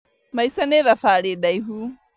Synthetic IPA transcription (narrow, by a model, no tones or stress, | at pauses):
maisanɛðafaːɾeɗaiɦu